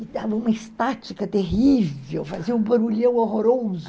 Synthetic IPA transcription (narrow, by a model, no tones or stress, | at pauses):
ɪd̪avɐũmɐɪst̪at͡ʃikɐt̪eɦivewfaziɐũbɐɾuʎɐ̃w̃oɦoɾozʊ